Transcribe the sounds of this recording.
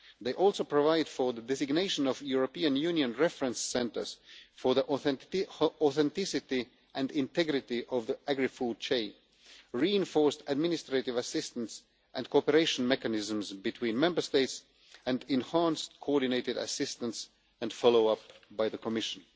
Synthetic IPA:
ðeɪʔɔlˠsoʊpʰɹɔvaɪd̥fɔ˞ðədɛzɪɡneɪʃə̃nɔvjuɹopiɨ̃njʉ̃njɨ̃nɹɛfɹə̃nsːɛ̃ntə̰˞z̥fə˞ðiʔ | ɔθɛ̃ntɪsɪti | ʔæ̃ndɪ̃ntɛɡɹɪtiʔʌvðiæɡɹifud̚t͡ʃʰeɪ | ɹiɪ̃nfɔɹstæd̚mɪ̃nɪstɹetɪvəsɪstə̃ns | ʔæ̃ndkʰoɔpəɹeɪʃə̃nmɛkɨnɪz̃m̩zbɨtʰwĩːnmɛ̃mbə˞steɪts | æ̃ndɪ̃nhæ̃nstkʰoɔɹdɪneɪtɪdɨ̰sɪstə̃ns | æ̃ndfɑloʊʌpbaɪðəkʰɔmɪʃə̃n

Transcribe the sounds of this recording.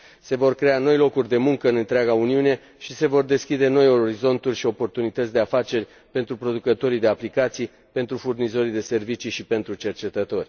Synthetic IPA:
se̞vo̞rkɾe̞ano̞jlo̞kurʲd̪e̞muŋkəɨnɨnt̪ɾeaɡauniune̞ | ʃise̞vo̞rd̪e̞skʲid̪e̞no̞jo̞ɾizo̞nt̪urʲʃio̞po̞rt̪unit̪ət̪sʲd̪eafat͡ʃe̞rʲ | pe̞nt̪ɾupɾo̞d̪ukət̪o̞ɾid̪e̞aplikat̪sij | pe̞nt̪ɾufurnizo̞ɾid̪e̞se̞rvit͡ʃiʃipe̞nt̪ɾut͡ʃe̞rt͡ʃe̞t̪ət̪o̞rʲ

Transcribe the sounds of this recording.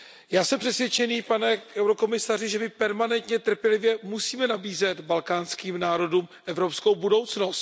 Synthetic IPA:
jaːsɛmpr̥ɛsvjɛt͡ʃɛniːpanɛʔɛwɾoko̞mɪsarɪʒɛmɪpɛɾmanɛnt̪ɲɛt̪r̩pjɛlɪvjɛmusiːmɛnabiːzɛt̪balkaːnskiːmnaːɾo̞duːmʔɛvɾo̞pskowbudo̞wt͡snost̪

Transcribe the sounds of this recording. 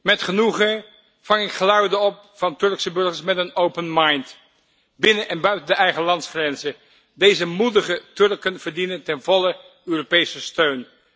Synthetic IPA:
mɛtχənuχə | v̥ɑŋɪkχəlœɥdəɔp̚ | fɑntɵɹksəbɵɹχəɹsmɛtənowpənmɑjnt | bɪnəʔɛnbœɥtəndəʔɛjχəlɑntsχrɛnzə | dejzəmudəχətɵrkənv̥əɹdinəntɛnvɔlə | øːropejsəstøɥn

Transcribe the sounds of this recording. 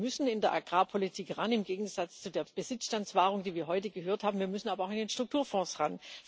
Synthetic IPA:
mʏsn̩ɪndeːɐʔaɡ̥ʁaːpʰolitʰiːkʁanɪmɡeːɡŋ̩z̥at͡st͡sudeːɐb̥əz̥ɪt͡sʃtant͡sv̥aːʁʊŋd̥iːviːɐɦɔʏtəɡəɦøːɐthaːbm̩viːɐmʏsn̩ʔaːbɐaʊxɪndeːnʃtʁ̥ʊk̚tʰuːɐfɔ̃ːsʁan

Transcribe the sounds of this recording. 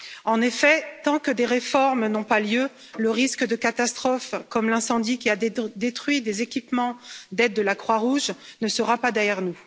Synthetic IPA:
ɑ̃nefɛt̪ɑ̃kəd̪eʁefɔʁmnɔ̃paljø | ləʁiskəd̪əkat̪ast̪χɔfkɔmlɛ̃sɑ̃d̪ikʲiad̪et̪χɥid̪ezekʲipmɑ̃d̪ɛd̪̚ːəlakχwaʁuʒnəsəʁapad̪ɛʁjɛʁnu

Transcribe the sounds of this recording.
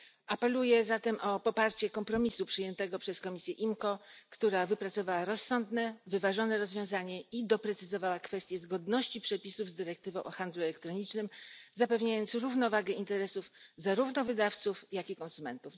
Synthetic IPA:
ʔapɛlujɛzat̪ɛmʔɔpɔpaɾt͡ɕɛkɔmpɾɔmʲisupʂɘjɛnt̪ɛɡɔpʂɛskɔmʲisʲjɛʔimkɔkt̪uɾavɘpɾat̪sɔvawaɾɔsːɔnd̪nɛvɘvaʐɔnɛɾɔzvʲjɔ̃w̃zaɲɛid̪ɔpɾɛt̪sɘzɔvawakfɛst̪jɛzɡɔd̪nɔɕt͡ɕipʂɛpʲisuvzd̪ɘɾɛkt̪ɘvɔ̃w̃ʔɔxand̪luɛlɛkt̪ɾɔɲit͡ʂnɘmzapɛvɲajɔnt̪sɾuvnɔvaɡɛint̪ɛɾɛsufzaɾuvnɔvɘd̪aft̪sufjakʲikɔ̃nsumɛnt̪uf

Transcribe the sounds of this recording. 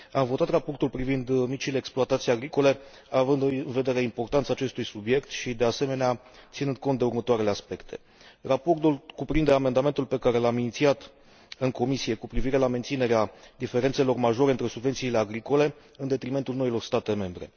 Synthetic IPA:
amvo̞t̪at̪rapo̞rt̪ulpɾivind̪mit͡ʃile̞ːksploat̪at̪sijaɡɾiko̞le̞ | avɨnd̪ɨnve̞d̪e̞ɾe̞impo̞rt̪ant̪saːt͡ʃe̞st̪ujsubje̞kt̪ʃid̪e̞ase̞me̞nea | t̪sinɨnd̪̚ko̞nt̪̚d̪eurmət̪oaɾe̞leaspe̞kt̪ʰe̞ | rapo̞rt̪ulkupɾind̪e̞ame̞nd̪ame̞nt̪ulpe̞kaɾe̞laminit̪siat̪ | ɨŋko̞misie̞kupɾiviɾe̞lame̞nt̪sine̞ɾead̪ife̞ɾe̞nt̪se̞lo̞rmaʒo̞ɾeɨnt̪ɾe̞subvet̪siːle̞aɡɾiko̞le̞ | ɨnd̪e̞t̪ɾime̞nt̪ulno̞ilo̞rst̪at̪e̞me̞mbɾe̞̰

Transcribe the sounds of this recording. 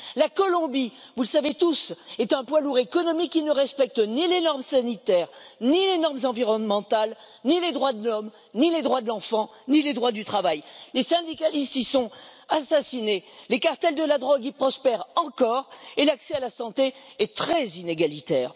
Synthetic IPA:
lakɔlɔ̃bi | vuləsavet̪usɛt̪ɛ̃pwaluʁekɔnɔmikːinəʁɛspɛk̚t̪nilenɔʁmsanit̪ɛʁnilenɔʁmzɑ̃viʁɔnmɑ̃t̪al | niled̪ʁwad̪əlɔm | niled̪ʁwad̪əlɑ̃fɑ̃niled̪ʁwad̪yt̪χavajlesɛ̃d̪ikalist̪isɔ̃asasinelekaʁt̪ɛld̪əlad̪ʁɔɡipχɔspɛʁɑ̃kɔʁelaksɛalasɑ̃t̪eɛt̪χɛzineɡalit̪ɛːʁ

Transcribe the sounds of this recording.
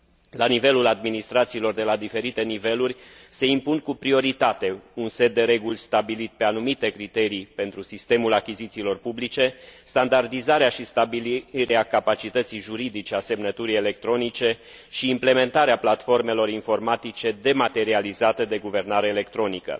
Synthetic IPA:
lanive̞lulad̪minist̪ɾat̪siːlo̞rd̪e̞lad̪ife̞ɾit̪e̞nive̞lurʲse̞impunkupɾio̞ɾit̪at̪e̞unse̞t̪̚d̪e̞ɾe̞ɡulʲst̪abilit̪̚pe̞anumit̪e̞kɾit̪e̞ɾipe̞nt̪ɾusist̪e̞mulakʲizit̪siːlo̞rpublit͡ʃe̞st̪and̪ard̪izaɾeaʃist̪abiliɾeakapat͡ʃit̪ət̪sijʒuɾid̪it͡ʃe̞ase̞mnət̪uɾijele̞k̚t̪ɾo̞nit͡ʃe̞ | ʃiːmple̞me̞nt̪aɾeaplat̪fo̞rme̞lo̞ɾinfo̞rmat̪it͡ʃe̞d̪e̞mat̪e̞ɾializat̪e̞d̪e̞ɡuve̞rnaɾe̞ːle̞kt̪ɾo̞nikə̰

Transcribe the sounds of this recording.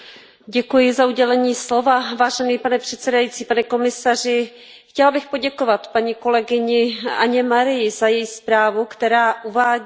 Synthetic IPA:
ɟɛkujɪzauɟɛlɛɲiːslo̞vavaːʒɛniːpanɛpr̝̥ɛt̪sɛdajitt͡siːpanɛko̞mɪsar̝ɪ | xcɛlabɪxpo̞ɟɛkovat̪paɲiːko̞lɛɡɪɲɪaɲɛmaɾɪjɪzajɛjispɾaːvukt̪ɛɾaːʔuvaː

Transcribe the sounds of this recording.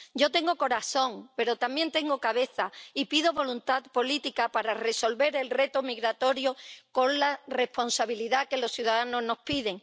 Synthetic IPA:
ɟ͡ʝo̞t̪e̞ŋɡo̞ko̞ɾaθõ̞ŋpe̞ɾo̞t̪ambje̞nt̪e̞ŋɡo̞kaβe̞θaipiðo̞βo̞lunt̪aðpo̞lit̪ikapaɾare̞so̞lβe̞ɾe̞lre̞t̪omiɣɾat̪o̞ɾjoko̞nlare̞spo̞nsaβiliðake̞lo̞sθjuðaðano̞ɦno̞hpiðe̞ŋ

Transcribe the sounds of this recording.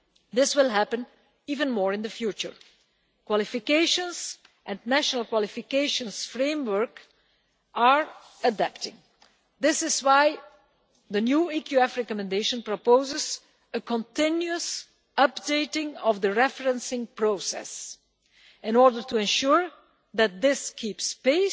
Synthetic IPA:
ðɪswɪlˠɦæpə̃n | iːvə̃nmɔɹɪ̃nðəfjut͡ʃə̰ɹ | kwɔlˠɪfɪkeɪʃə̃nz | ʔɛ̃nnæʃənl̩ˠkwɑlˠɪfɪkeɪʃə̃nsfɹẽɪ̃mwə˞k | ʔaɹ | ədæptɪ̃ŋ | ðɪsɪzwaɪ | ðənjuːikʰjuɛfɹɛkɔmɛ̃ndeɪʃə̃npɹɔpoʊzɪz | əkʰɔ̃ntɪ̃njuəs | ʌpdeɪtɪ̃ŋɔvðəɹɛfəɹə̃nsɪ̃ŋpɹoʊsɛ̰s | ɪ̃nɔɹdə˞tuɛ̃nʃuɹ | ðæt̪̚d̪ɪskʰipspeɪ

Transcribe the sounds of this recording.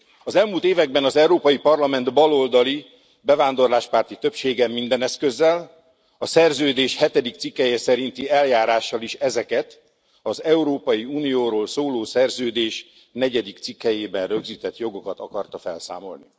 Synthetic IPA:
ɒzɛlmuːlt̪eːvɛɡ̚bɛnɒzɛuɾoːpɒjipɒrlɒmɛnd̪bɒlo̞ld̪ɒli | bɛvaːnd̪o̞rlaːʃpaːrt̪it̪ø̞pʃeːɡɛmːind̪ɛnɛskøzːɛl | ɒsɛrzøːd̪eːʃhɛt̪ɛd̪ik̚t̪sikːɛjɛsɛɾint̪iɛljaːɾaːʃːɒliʃɛzɛkɛt̪ | ɒzɛuɾoːpɒjiuːnijoːɾoːlsoːloːsɛrzøːd̪eːʃ | nɛɟɛd̪ikt̪sikːɛjeːbɛnrøɡziːt̪ɛt̪jo̞ɡo̞kɒt̪ɒkɒrt̪ɒfɛ̰lsa̰ːmo̞̰lni

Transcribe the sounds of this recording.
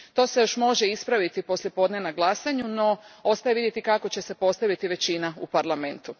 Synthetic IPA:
t̪o̞ːsejo̞ʃmo̞ʒeispɾaʋit̪ipo̞sljepo̞d̪nenaɡlˠasaɲuno̞o̞st̪ajeʋid̪je̞t̪ikako̞t͡ɕe̞se̞po̞st̪aʋit̪iʋe̞t͡ɕinaupaɾlˠame̞nt̪u

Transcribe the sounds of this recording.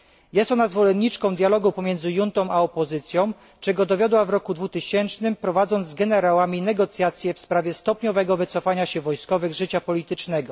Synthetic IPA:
jɛst̪ɔnazvɔlɛnːit͡ʂkɔ̃w̃d̪ʲjalɔɡupɔmʲjɛnzɘjunt̪ɔ̃w̃ʔaɔpɔzɘt̪sʲjɔ̃w̃ | t͡ʂɛɡɔd̪ɔvʲjɔd̪wavɾɔkud̪vut̪ɘɕɛnt͡ʂnɘmpɾɔvad̪zɔnzɡɛnɛɾawamʲinɛɡɔt̪sʲjat̪sʲjɛfspɾavʲjɛst̪ɔpɲɔvɛɡɔvɘt̪sɔfaɲaɕɛvɔjskɔvɘɣʐɘt͡ɕapɔlʲit̪ɘt͡ʂnɛɡɔ

